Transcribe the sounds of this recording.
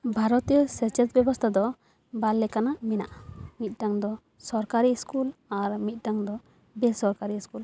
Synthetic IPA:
bʱaɾɔt̪ijɔsɛɾt͡ʃɛt̪̚bɛbɔst̪ʰad̪ɔ | balːɛkanamɛna̰ʔmit̪̚ˀʈaŋd̪ɔ | sɔɾkaɾiskulaɾmit̪̚ˀʈaŋd̪ɔ | bɛsɔɾkaɾiskul

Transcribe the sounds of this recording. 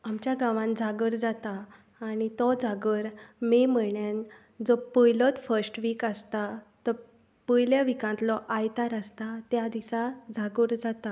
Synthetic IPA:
amt͡ɕjaɡãʋãnd͡zaɡəɾd͡zat̪aː | nit̪ɔd͡zaɡəɾmeməɳjan | d͡zɔpəjlɔt̪fəɾsʈʋikəst̪at̪ə | pəjljaʋikãnt̪lɔʔajt̪aɾəst̪at̪jad̪isad͡zaɡəɾd͡zat̪a

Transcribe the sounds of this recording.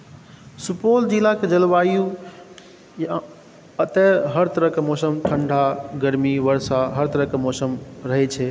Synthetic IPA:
supold͡ʒilaked͡ʒəlʋaju | j | ət̪ɛɦəɾt̪əɾəkemɔsəmʈʰəɳɖʱaɡəɾmiʋəɾsaɦəɾt̪əɾəkemɔsəmɾəɦɛt͡ʃʰɛ

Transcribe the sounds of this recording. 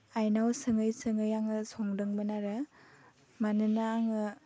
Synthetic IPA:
ajnawsɯŋɯjsɯŋɯjaŋɯsɔŋdɯŋmɯnaɾɯ | manɯnaːŋɯ

